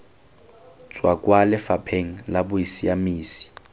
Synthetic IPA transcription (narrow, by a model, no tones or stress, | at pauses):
t͡sʼwakʼwalɪfapʰeŋ̩labʊisiamiːsi̥